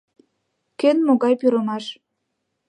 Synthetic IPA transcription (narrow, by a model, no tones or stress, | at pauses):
kønmoɣɑjpyɾəmɑʃ